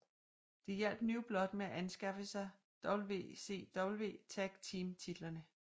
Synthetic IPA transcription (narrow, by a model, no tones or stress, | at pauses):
d̥e̝jel̰b̥nyːb̥lɒ̽d̥meæʔænsɡ̥ɑ̈fəsɑ̈ɪ | d̥ɒ̽b̥l̩ʋe̝̰ːse̝̰ːd̥ɒ̽b̥l̩ʋe̝̰ːt͡sʰæɡ̥t͡sʰiːmt͡sʰid̥lɐnə